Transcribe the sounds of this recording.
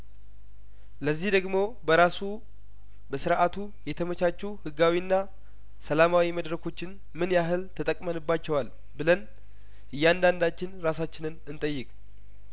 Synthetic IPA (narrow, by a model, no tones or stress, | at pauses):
ləzːihd̪əɡmo̞bəɾasu | bəsɨɾʔat̪ʰu | jɛt̪ʰəmət͡ʃat͡ʃːuhɨɡawinːa | səlamawiməd̪ɾəkʰo̞t͡ʃːɪn | mɨnjaɦɨlt̪ʰət̪ʼəkʼmənɨbːat͡ʃːɛwal | bɨlən | ʔɨjːand̪and̪at͡ʃːɪnɾasat͡ʃːɪnɨnɨnt̪ʼəjːɪkʼ